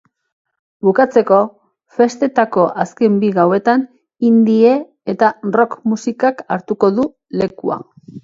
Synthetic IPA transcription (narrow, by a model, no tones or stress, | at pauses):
bukat͡se̞ko̞ | fe̞st̪e̞t̪ako̞ʔaske̞mbiɣawe̞t̪an | ind̪ie̞ | et̪aro̞kmusikakaɾt̪uko̞ðu | le̞kua̰